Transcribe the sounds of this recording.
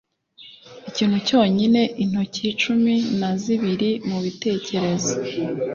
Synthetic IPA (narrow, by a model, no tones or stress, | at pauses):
iciːnhuco̞ːɲine̞ʔin̥hocit͡ʃuminaziβiɾimuβite̞ːce̞ɾe̞zo